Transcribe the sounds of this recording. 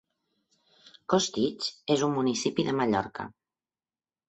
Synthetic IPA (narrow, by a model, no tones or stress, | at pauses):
kost̪it͡ʃezumːunisipiðəməʎɔ̰ɾkə̰